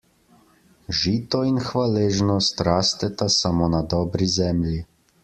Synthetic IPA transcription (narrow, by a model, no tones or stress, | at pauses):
ʒiːt̪ɔinxʋaleːʒnɔst̪ɾaːst̪ɛt̪asamoːnad̪ɔːbɾizɛːmlji